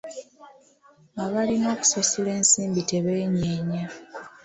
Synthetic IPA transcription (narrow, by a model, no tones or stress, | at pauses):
aβalino̞ːku̥sosile̞ːnsiːmbite̞βeːɲeːɲa